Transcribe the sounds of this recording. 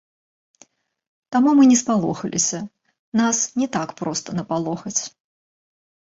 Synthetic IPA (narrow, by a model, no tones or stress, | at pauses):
t̪amumɨnʲɛspalˠɔ̰xɐlʲʔḭsʲɐ | nasnʲɛt̪akpɾɔst̪ɐnɐpalˠɔxɐt͡sʲ